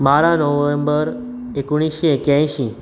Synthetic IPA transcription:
maɾanɔʋẽmbəɾ | ekuɽ̃iʃiekjãjʃi

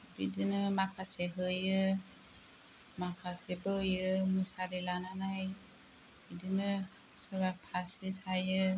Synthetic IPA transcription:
bidinɯmakʰaseɦɯjɯ | makʰasebɯjɯmusaɾilananaj | b̥idinɯ | sabapʰasisajɯ

